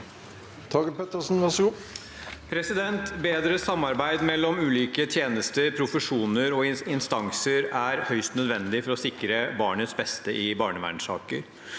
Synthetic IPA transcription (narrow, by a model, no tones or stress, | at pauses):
t̪ʰɑɡəpɛt̪əʂn̩ʋæʂɡuː | pʰɾɛsɪd̪ɛnt̪beːd̪ɾəsɑmːɑɾbæɪd̪mɛlːɔmʉːliːkət̪ʰjeːnəst̪əɾpʰɾʊfəʂuːnəɾɔɪɪnst̪ɑŋsəɾæɾhœʏst̪nœd̪ʋɛnd̪ɪfɔɾɔsɪkɾəbɑːɳət̪sbɛst̪əʔɪbɑːɳəʋæ̰ɳʂɑ̰ːkə̰ɾ